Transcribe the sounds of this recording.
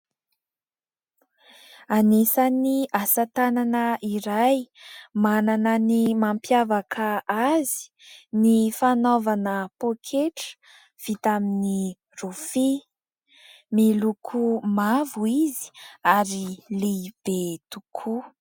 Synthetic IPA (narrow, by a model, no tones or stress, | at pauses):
anisaniʔasat̪ananəiɾajmananənimampjavakʰəazi̥ | nifanovanəpokʰeʈ͡ʂə̥ | v̥it̪amini | rufi | milukʰumavuizi̥aɾileb̥et̪ukʰu